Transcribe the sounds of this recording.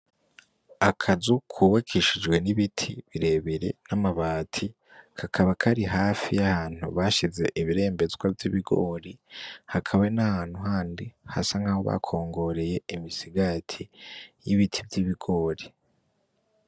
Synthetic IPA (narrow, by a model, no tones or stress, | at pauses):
akʰazukʰuːβakʰiʃid͡ʒwe̞niβitʰiβiɾe̞ːβiɾe̞̰namaβaːtʰi | kʰakʰaβakʰaɾiɦaːfijahaːn̥ṵβaʃize̞̰ʔiβiɾe̞ːmbe̞zɡwavjiβiɡo̞̰ːɾihakʰaβanahaːn̥huɦaːndiha̰saŋhaːho̞βa̰kʰo̞ːŋɡo̞ɾe̞je̞imisiɡatʰijiβitʰivɟiβiɡo̞ːɾi